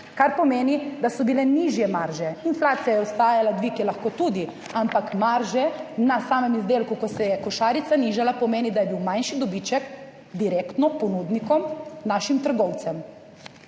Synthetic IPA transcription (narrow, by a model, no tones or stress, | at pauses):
kaɾpɔmeːnid̪asɔbilɛniːʒjɛmaɾʒɛinflaːt̪sijajɛɔst̪aːjalad̪ʋikɛlaxkoːt̪uːd̪i | ampakmaɾʒɛnasaːmɛmizd̪eːlkukɔsɛjɛkɔʃaːɾit̪saniʒalapɔmeːnid̪ajɛbiwmajnʃid̪ɔbit͡ʃɛk | d̪iɾeːkt̪nɔpɔnuːd̪nikɔmnaːʃimt̪əɾɡɔwt̪sɛm